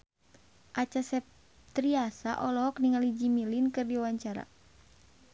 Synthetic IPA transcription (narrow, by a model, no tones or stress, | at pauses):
ʔat͡ʃasɛp̚ | t̪ɾiasa̰ʔɔlɔɦɔkniŋalid͡ʒimilinkɨrdiwaɲt͡ʃaɾa̰